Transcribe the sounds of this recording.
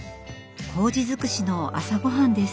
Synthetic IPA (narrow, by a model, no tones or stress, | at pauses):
ho̞ːd͡ʑizɨkɯ̟ɕino̞a̰saɡo̞ɦãnd̪e̞s